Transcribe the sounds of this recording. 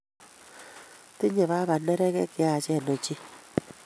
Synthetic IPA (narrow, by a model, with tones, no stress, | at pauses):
ti˦ɲɛ˨βa˦βa˨nɛ˦ɾɛ˦kɛ˦kɪ˨˦a˨t͡ʃɛ˦˨nɔ˨t͡ʃi˦